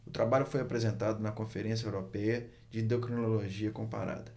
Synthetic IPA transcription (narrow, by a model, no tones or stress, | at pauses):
ʊt̪ɾabaʎʊfojapɾezẽnt̪ad̪ʊnɐkõfeɾẽs̬jɐewɾopɛjɐ | d͡ʒɪĩd̪okɾinnoloʒiɐkõpa̰ɾa̰d̪ɐ